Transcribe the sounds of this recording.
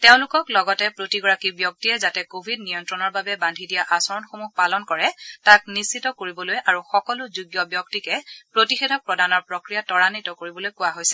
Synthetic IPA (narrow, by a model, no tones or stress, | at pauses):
teʊ̃lʊkɔklɔɡɔtɛpɹotiɡɔɹakibjɔk̚tiɛzatɛkobʱidniɔntɹɔnɔɹbabɛbandʱidijaʔasɔɹɔnxomuhpalɔnkɔɹɛtaknisitɔkoɹibɔlojʔaɹuxɔkɔlʊzuɡjɔbjɔk̚tikɛpɹotixedʱɔk̚pɹɔdanɔɹpɹokɹijatɔɹanitɔkoɹibɔlojkʊwaɦojsɛ̥